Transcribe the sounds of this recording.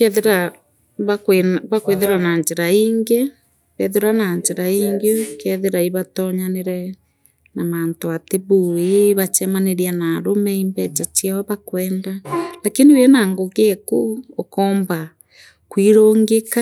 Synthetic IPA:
ɾa | βakeβakweðeɾanaɲd͡ʒeɾaiːŋɡe | βɛðeɾanaɲd͡ʒeɾaiːŋɡokɛðeɾaiβatɔɲaneɾɛ | namantoateβueβat͡ʃɛmaneɾianaɾomɛimbɛt͡ʃat͡ʃiaɔβakwɛːndalakiniwɛnaŋɡoɣekuokɔːmba | kwiɾoːŋɡeka

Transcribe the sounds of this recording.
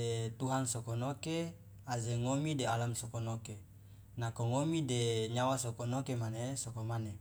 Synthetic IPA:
et̪uɦansokonoke | azeŋomidealamsokonoke | nakoŋomideɲawasokonokemanesokomane

